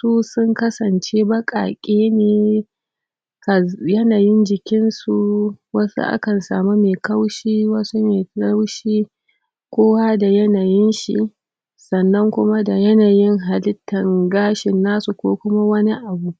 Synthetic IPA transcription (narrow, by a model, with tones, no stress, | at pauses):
suː˦sʊ˦ŋkɐ˦sɐ˨nt͡ʃe˦bɐ˦kʼa̰ː˨kʲʼeː˦neː˨ | ka˨jɐ˦naː˨jɪ˦nd͡ʒɪ˨kʲɪ˦nsu˨wɐ˦sṵ˦ʔa̰˦kɐ˨nsa̰ː˨mu˦meː˨kɐ˦wʃiː˦wɐ˦su˦meː˨a˦wʃiː˦ | kʷoː˦wa˦da˨jɐ˦naː˨jɪ˦nʃḭ˨ | sɐ˨nːɐ˦ŋkʷʊ˦ma˦da˨jɐ˦naː˨jɪ˦ŋɦa˨lɪ˦tːɐ˨ŋɡaː˦ʃɪ˨nːaː˦su˨kʷoː˦kʷʊ˦ma˦wɐ˦ni˦ʔa˨bu˦ʔ